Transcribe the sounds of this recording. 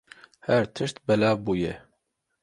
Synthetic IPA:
hæɾt̪ʰɨʃt̪bɛlɑːvbuːjɛ

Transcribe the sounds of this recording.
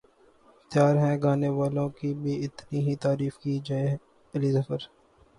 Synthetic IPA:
t̪jaːɾɦɛ̃ɡaːneʋaːlõkibʱiɪt̪niɦit̪aːɾiːfkiːd͡ʒaːe | ɪlizəfəɾ

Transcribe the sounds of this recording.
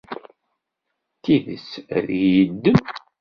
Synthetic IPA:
t̪iðə̰sðjəd̪ːəm

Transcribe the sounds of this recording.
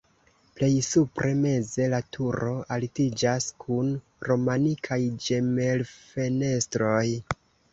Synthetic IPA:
ple̞jsupɾʔe̞me̞ze̞latʰuɾo̞alitid͡ʒaskʰun | ɾo̞manikʰajd͡ʒe̞me̞lfe̞ne̞stɾo̞j

